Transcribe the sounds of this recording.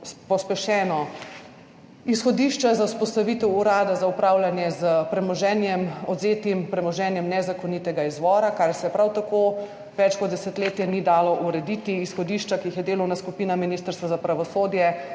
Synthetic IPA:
spɔspɛʃɛːnɔ | isxɔd̪iʃt͡ʃazawspɔst̪aʋit̪ɛwuɾaːd̪azaupɾawlanjɛzəpɾɛmɔʒɛnjɛmɔd̪zeːt̪impɾɛmɔʒɛːnjɛmnɛzakonit̪ɛɡaizʋɔːɾakaɾsɛɛpɾawt̪akoː | ʋɛt͡ʃkɔd̪d̪ɛsɛt̪leːt̪jɛnid̪aːlɔʔuɾɛd̪it̪iːsxɔd̪iːʃt͡ʃakiixjɛd̪eːlownaskupiːnaminist̪əɾst̪ʋazapɾaʋɔsoːd̪jɛ

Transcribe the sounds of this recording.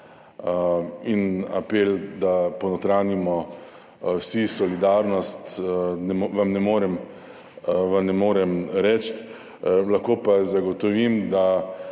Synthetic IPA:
ina̰peld̪apɔnɔt̪ɾaːnimɔ | wsisɔlid̪aɾnɔst̪nɛʋamnɛmoːɾɛm | ʋamnɛmoːɾɛmɾɛːt͡ʃt̪ | laxkoːpazaɡɔt̪ɔʋimd̪a

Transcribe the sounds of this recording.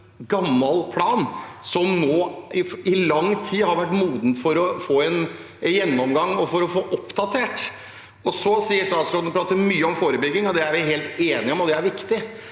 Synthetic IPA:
ɡɑmːɑlpʰlɑːnsɔmnoːɪɪlɑŋːt̪ʰiːhɑɾʋæʈːmuːd̪n̩fɔɾɔfoːɛn | jɛnːɔmɡɑŋːɔfɔɾɔfoːʔɔpd̪ɑt̪ʰeːʈ | ɔsɔsiːəʂt̪ɑːt̪sɾoːd̪nəpʰɾɑːt̪əɾmyːəɔmfoːɾəbʏɡːɪŋɔd̪ɛæɾʋɪɦeːlt̪eːnɪɔmɔd̪ɛæɾʋɪkt̪ɪ

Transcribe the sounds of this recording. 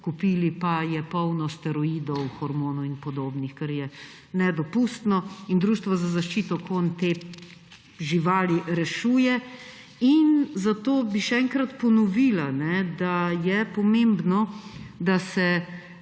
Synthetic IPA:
kupiːlipajɛpɔwnɔst̪ɛɾɔiːd̪ɔwxɔɾmoːnuinpɔd̪oːbnixkɛɾjɛ | nɛd̪ɔpuːst̪nɔind̪ɾuʃt̪ʋazazaʃt͡ʃiːt̪ɔkʰont̪e | ʒiʋaːliɾɛʃuːjɛ | inzat̪oːbiʃɛɛŋkɾat̪pɔnɔʋiːlanɛd̪ajɛpɔmẽmbnɔd̪asɛ

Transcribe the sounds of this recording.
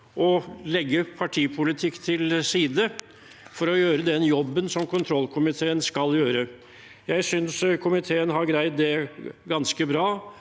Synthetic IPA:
ʔɔlɛɡːəpʰɑʈʰiːpʰʊlɪt̪ʰɪkːt̪ʰɪlsiːd̪ə | fɔɾɔjøːɾəd̪ɛnjɔbːənsɔmkʰʊnt̪ʰɾɔlːkʰʊmɪt̪ʰeːənskɑljøːɾə | jæɪsʏnskʰʊmɪt̪ʰeːənɦɑɾɡɾæɪt̪̚d̪ɛɡɑnskəbɾɑː

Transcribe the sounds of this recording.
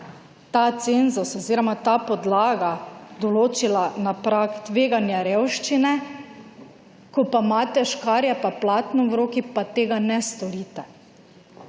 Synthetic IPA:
t̪at̪senzosɔziɾɔmat̪apɔd̪laːɡad̪ɔloːt͡ʃilanapɾakt̪ʋeːɡanjaɾewʃt͡ʃinɛ | kɔpamaːt̪ɛʃkaːɾjɛpaplaːt̪nɔʋɾoːkipat̪eːɡanɛst̪ɔɾiːt̪ɛ

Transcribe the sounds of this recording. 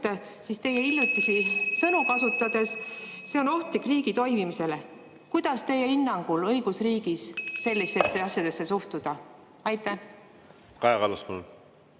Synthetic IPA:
e | sist̪e̞je̞ilʲjut̪ːˑisisɤnukɑsut̪ːˑɑd̪̥e̞sse̞o̞no̞ht̪likˑriːɡ̥it̪o̞jmimise̞le | kujd̪̥ɑst̪e̞jːeinːɑŋɡ̥ulɤjɡ̥usriːɡ̥isse̞lːist̪e̞sːe̞ɑsjɑd̪e̞sːe̞suht̪ud̪̥ɑ | ɑjt̪ːˑæ | kɑjɑkɑlɑspɑnu

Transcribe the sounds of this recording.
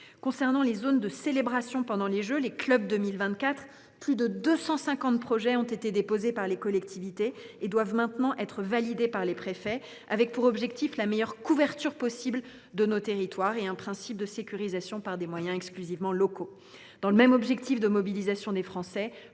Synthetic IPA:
kɔ̃sɛʁnɑ̃lezond̪əselebʁasjɔ̃pɑ̃d̪ɑ̃leʒøleklœb̚d̪əmilvɛ̃t̪̚kat̪χ | plyd̪əd̪øsɑ̃sɛ̃kɑ̃t̪̚pχɔʒɛɔ̃t̪et̪ed̪epozepaʁlekɔlɛkt̪ivit̪eːd̪wavmɛ̃t̪nɑ̃ʔɛt̪χəvalid̪epaʁlepχefɛ | avɛk̚puʁɔbʒɛkt̪iflamejœʁkuvɛʁt̪yʁpɔsibl | d̪ənot̪eʁit̪waʁeɛ̃pχɛ̃sip̚d̪əsekʲyʁizasjɔ̃paʁd̪emwajɛ̃ɛksklyzivmɑ̃lɔko | d̪̥ɑ̃ləmɛmɔbʒɛkt̪ifd̪əmɔbilizasjɔ̃d̪efχɑ̃sɛ

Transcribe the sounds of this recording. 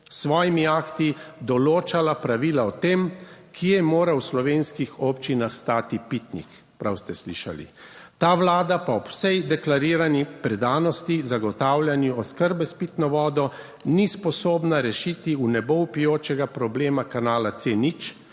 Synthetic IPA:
sʋɔːjimiakt̪id̪ɔloːt͡ʃalapɾaʋiːlaɔt̪eːmkʰiɛmoːɾawslɔʋeːnskixɔpt͡ʃinaxst̪aːt̪ipit̪nḭk | pɾawst̪ɛslḭːʃa̰lḭt̪aːʋlaːd̪apaɔpwsɛjd̪ɛklaɾiːɾanipɾɛd̪aːnɔst̪izaɡɔt̪aːwlʲjʲanjuɔskəɾbɛspit̪nɔʋɔːd̪ɔ | nispɔsoːbnaɾɛʃiːt̪iunɛboupijoːt͡ʃɛɡapɾɔbleːmakanaːlat̪senit͡ʃ

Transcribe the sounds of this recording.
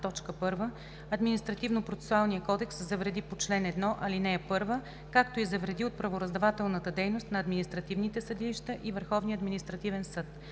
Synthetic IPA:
t̪ɔt͡ʃkəpɤɾvə | ɐd̪minist̪ɾɐt̪ivnopɾot̪sɛ̥sʊalˠnijəkɔd̪ɛkszɐvɾɛd̪ipot͡ʃlɛnɛd̪nɔʔɐlinɛɛpɤɾvə | kakt̪oizɐvɾɛd̪iot̪̚pɾɐvoɾɐzd̪ɐvat̪ɛlˠnət̪əd̪ɛjnost̪nɐːd̪minist̪ɾɐt̪ivnit̪ɛsəd̪iliʃt̪əʔivəɾxɔvniəɐd̪minist̪ɾɐt̪ivɛnsɤt̪

